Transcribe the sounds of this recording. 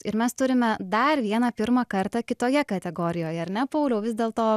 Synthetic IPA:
ɪɾmʲɛst̪ʊɾʲɪmʲɛd̪ɐrʋʲiɛnɐpʲɪɾmɐkɐɾt̪ɑkʲɪt̪oːjɛkɐt̪ʲɛɡoːɾʲɪjoːjɛɐɾnʲɛpɐʊlʲoʊʋʲɪzʲd̪ʲeːlˠt̪oː

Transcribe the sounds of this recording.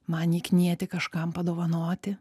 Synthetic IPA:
mɐnʲiːknʲiɛt̪ʲɪkɐʃkɐmpɐd̪oːʋɐnoːt̪ʲɪ

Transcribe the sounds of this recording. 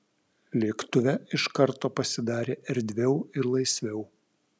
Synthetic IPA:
lʲeːkt̪ʊʋʲɛɪʃkɐɾt̪oːpɐsʲɪd̪ɑːɾʲeːʔɛɾʲd̪ʲʋʲɛʊɪɾlˠɐɪsʲʋʲɛʊ

